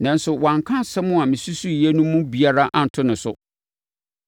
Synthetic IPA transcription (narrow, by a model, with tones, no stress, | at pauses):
nã˨n̩˦sʊ˨wã˨ŋkʰã˦˨sɛ˦mʊ̃˦a˨mɪ̃˨su˦su˦˨jɛ˦nũ˦mũ˦bi˨a˦ɾa˦ʔa˦n̩˨tʰʊ˦nɪ̃˨sʊ˨